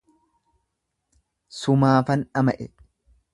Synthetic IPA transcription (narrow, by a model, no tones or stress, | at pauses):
sʊmaːfɐnɐmɐʔɛ